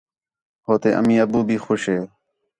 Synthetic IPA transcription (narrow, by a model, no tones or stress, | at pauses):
ɦoːt̪eːʔə̰mĩːəbuːbʱiːxoːʃɦeː